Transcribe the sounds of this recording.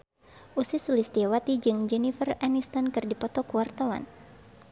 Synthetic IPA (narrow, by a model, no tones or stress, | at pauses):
ʔusisulist̪iawat̪id͡ʒɨŋd͡ʒɛnifəranist̪ankɨrdipɔt̪ɔkuwart̪awa̰n